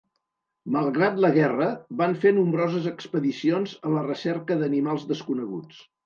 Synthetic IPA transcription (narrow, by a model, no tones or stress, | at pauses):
məlˠɣɾat̪ləɣɛrəβaɱfenumbɾɔzəzəkspəðisionzələrəsɛɾkəðənimalˠzðəskunəɣṵt͡s